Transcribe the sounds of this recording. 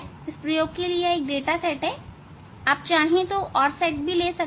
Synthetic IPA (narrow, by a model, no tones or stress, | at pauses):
ɪspɾɐjoːɡ̚kelieeːk̚ɖeːʈasɛʈɦɛː | aːp̚t͡ʃaːɽ̤iẽt̪oʔɔːɾsɛːʈ̚bʱileːsɐk